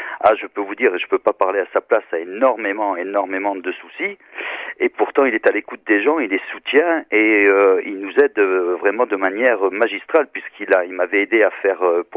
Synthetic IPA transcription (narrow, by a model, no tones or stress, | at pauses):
a̰ʒəpøvud̪iːʁeʒəpøpapaʁleasaplasaenɔʁmemɑ̃enɔʁmemɑ̃d̪əsusi | epuʁt̪ɑ̃ilɛt̪alekut̪̚d̪eʒɑ̃ilesut̪jɛ̃eøilnuzɛd̪øvʁɛmɑ̃d̪əmanjɛʁømaʒist̪χalpɥiskilailmavɛed̪eafɛʁøp